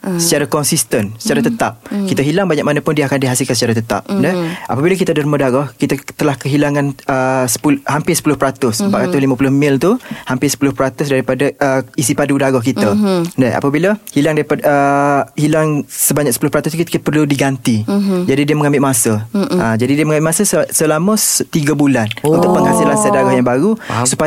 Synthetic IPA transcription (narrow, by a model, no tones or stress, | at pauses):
sət͡ʃaɾakɔnsist̪ənsə̥t͡ʃaɾat̪ət̪ap̚kit̪əɦilaŋbaɲak̚manəpʊndiəakandiɦasɪlkansət͡ʃaɾat̪ət̪a̰p̚ndɛʔapəbilakit̪ədəɾmədaɡɔhkit̪ət̪əlahkəɦilaŋãnəsə̥pulhampɪsə̥pulʊhpəɾat̪ʊsəmpat̪̚ɾat̪ʊslimapulʊhmɪlt̪uhampɪsə̥pulʊhpəɾat̪ʊsdaɾipadaəisipadudaɡɔhkit̪ədaa̰pəbiləhilaŋdaɾipaəhilaŋsəbaɲak̚səpulʊhpəɾat̪ʊst̪ukit̪kit̪əpərludiɡant̪id͡ʒadidiəməŋãmbɪʔmasəad͡ʒadidiəməŋambɪʔmasəssəlamə̃st̪iɡəbulanunt̪ʊʔ̚pəŋɦasilansədaɡɔhjaŋbaɾusupa